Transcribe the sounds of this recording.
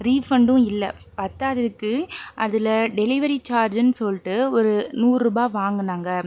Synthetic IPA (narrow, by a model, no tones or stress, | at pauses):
ɾiːfɐɳɖɯ̃ɪlːɐ | pɐt̪ːaːðɐðɯkːɯʔɐðɯlɐɖɛlɪʋɐɾit͡ʃaːɾd͡ʒnːɯsɔlːʈːɯɔɾɯnuːɾːuːbaːʋaːŋɡɯnaːŋɡɐ